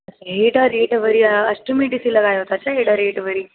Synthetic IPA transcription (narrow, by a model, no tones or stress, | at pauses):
sɦeʈaɾeʈʋəɾiːəsʈəmiʈisiləɡajɦot̪at͡ɕaɦeʈaɾeʈʋəɾiː